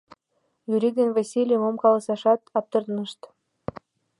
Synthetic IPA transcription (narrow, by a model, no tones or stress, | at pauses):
jyɾʲid̪envɑsʲilʲijəmomkɑlɑsɑʃɑt̪ɑp̚t̪ɤ̆rd̪nə̆ʃt̪